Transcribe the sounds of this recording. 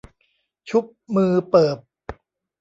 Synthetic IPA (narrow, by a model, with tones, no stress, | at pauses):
t͡ɕʰu˦˥p̚mɯː˧pɤː˨˩p̚